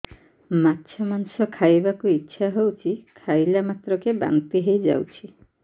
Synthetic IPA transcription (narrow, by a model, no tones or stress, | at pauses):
matːʃʰɔmansɔkʰajbakuitːʃʰaɦewt͡ʃʰikʰajlamat̪ɾɔkeba̰ŋt̪iɦejd͡ʒa̰wt͡ʃʰi